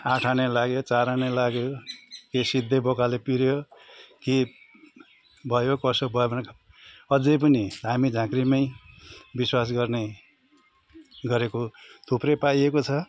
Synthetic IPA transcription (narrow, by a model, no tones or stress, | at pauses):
ãʈʰanelaɡjot͡saɾanelaɡjokesid̪ʱːebokalepiɾjoke | bʱʌjokʌsobʱʌbʌnk | ʌd͡zʌjp̬ʌniɦamid͡zʱãkrimʌjbiswas̬ɡʌrne | ɡʌɾekot̪ʰuprʌpajekot͡sʰʌ